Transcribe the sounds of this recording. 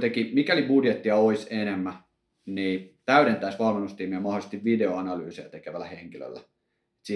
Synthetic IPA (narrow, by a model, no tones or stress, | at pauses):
t̪ekimikælibudjet̪ːiɑoisenemːæ | niːt̪æyɾent̪æisʋɑlmenust̪iːmiæmɑholisest̪iʋʋideoɑnɑlyːsejæt̪ekeʋælæ̰heŋkilø̰lːæ | et̪si